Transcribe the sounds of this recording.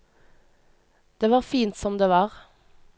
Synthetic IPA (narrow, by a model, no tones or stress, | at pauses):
d̪̥eːʋɑːʁfiːnt̪sɔmd̪eːʋɑːʁ